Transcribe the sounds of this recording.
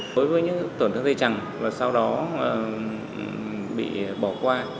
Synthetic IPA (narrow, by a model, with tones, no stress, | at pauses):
ɗo˨˦jvəː˨˦ɲɨ̰˧˥ŋt̪wnt̪ʰŋt̪ʰːt͡ɕa˨˩ŋvaː˨˩sa˧wɗɔ˨˦əː˨˩˨ | ɓḭ˧˨ɓɔ˧˩kwaː˧